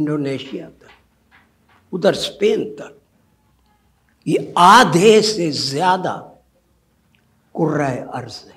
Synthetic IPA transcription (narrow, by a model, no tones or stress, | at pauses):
ɳɖoːneːʃijat̪ɐ̥k | ʊd̪əɾspeːnt̪ɐk | jiaːd̪ʱeːsezjaːd̪a̰ | kʊɾaeɐɾzɛ